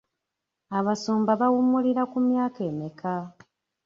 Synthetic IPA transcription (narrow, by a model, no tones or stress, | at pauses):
aβasuːmbaβawumuliɾakumjaːkeːmikʰa